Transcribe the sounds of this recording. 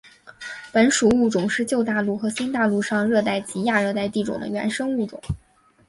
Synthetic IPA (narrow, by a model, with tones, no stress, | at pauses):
pə˧˥nʂu˨˩u˥˩ʈ͡ʂʊ˨˩ŋʂɻ̩˥˧t͡ɕjo˥˧ʊt̪a˥˧lu˥˩xɤ˧˥ɕi˥nt̪a˥˧lu˥˧ʂɑ˥˧ŋɻɤ˥˧t̪a˥˩ɪt͡ɕi˧˥ja˥˧ɻɤ˥˧t̪a˥˧ɪt̪i˥˩ʈ͡ʂʊ˨˩ŋd̪ə̰˦ɥɛ̰˧˥nʂɤ˥ŋu˥˩ʈ͡ʂʊ̰˨˩˦ŋ